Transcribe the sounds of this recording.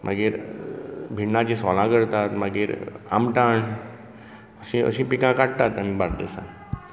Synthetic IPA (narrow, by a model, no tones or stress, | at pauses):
mʔa̰ɡeɾ | bʱiɳnãt͡ɕĩsɔlãkəɾt̪at̪maɡeɾa̰mʈaːɳ | əsĩə̰sĩpikãkaʈ̚t̪at̪amĩbaɾd̪esã̰